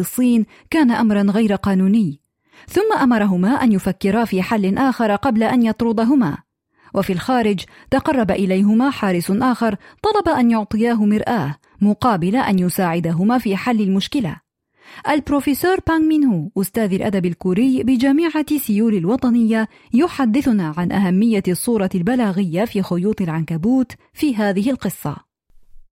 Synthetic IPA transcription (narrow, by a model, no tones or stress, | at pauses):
ɨsˤːiːn | kaːnaʔamɾˤɑnɣajɾqɑːnuːnɪjː | θʊmːaʔamɑɾˤɑɦʊmaːʔanjʊfakːɪɾafiːħalːɪnʔaːxɑɾˤqɑblaʔanjɑt̪ˤɾʊd̪ˤɑɦʊma̰ː | wʔafilxaːɾɪd͡ʒ | t̪ɑqɑrˤːɑbaʔɪlajɦʊmaːħaːɾɪsʔaːxɑɾˤt̪ˤɑlɑbaʔanjʊʕt̪ˤɨjaːɦʊmɪɾʔaːh | mʊqɑːbɪlaʔanjʊsaːʕɪd̪aɦʊmaːfiːħalːɪlmʊʃkɪla̰ | ʔalbɾofɪsoːɾˤpaŋmɪnhuʔʊst̪aːðalʔad̪abalkuːɾɪjːbɪd͡ʒamiːʕasʊjuːlɪlwɑt̪ˤɑnɪjːa | jʊħad̪ːɪθʊnaːʕanʔaɦamːɪjːasˤːuːɾˤɑlbalaːɣɪjːafiːxʊjuːt̪ˤɨlʕankabuːt̪ | fiːɦaːðɪɦɪlqɨsˤːɑ̰